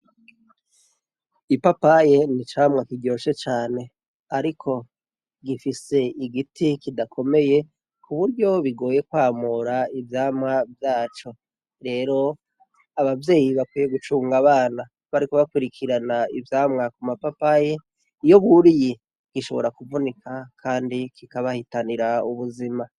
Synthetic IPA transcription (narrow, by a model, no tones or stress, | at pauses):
ipapaje̞nit͡ʃaːmŋakiɟjoːʃe̞t͡ʃaːne̞ | aɾikʰo̞ | ɡifise̞iɡitʰikidakʰo̞me̞je̞ | kʰuβuɾɟo̞βiɡo̞ːje̞kwaːmuɾaivjaːmŋavjaːt͡ʃo̞ | ɾe̞ːɾo̞ | aβavje̞ːjiβakwiːje̞ɡut͡ʃuːŋɡaβaːna | βaɾiko̞βakwiɾikʰiɾanaivjaːmŋakumapapaje̞ | ijo̞βuɾiji | ɡ̥iʃo̞βo̞ɾakuvunikʰakʰaːndikikaβahitaniɾauβuzima